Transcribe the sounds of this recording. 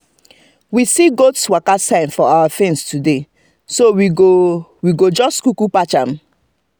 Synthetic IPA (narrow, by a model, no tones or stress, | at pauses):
wisiɡotswakasãɪ̃nfɔawafɛ̃nstude | sowiɡowiɡod͡ʒɔstkukupat͡ʃam̩